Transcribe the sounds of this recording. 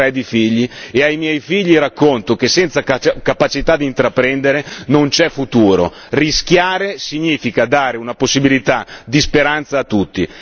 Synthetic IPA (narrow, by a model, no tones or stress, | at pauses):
ɾɛd̪ifiʎːieajmjɛjfiʎːiɾakːont̪ok̟esɛnt̪sakapat͡ʃit̪ad̪int̪ɾapːɾɛnd̪eɾenont͡ʃɛfut̪uːɾo̰ | risk̟jaːɾesiɲiːfikad̪aːɾeunaposːibilit̪ad̪ispeɾant̪saːt̪ːut̪ːi